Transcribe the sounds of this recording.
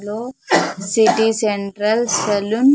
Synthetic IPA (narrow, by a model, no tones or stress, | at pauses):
losiʈiseɳʈɾəlsəlun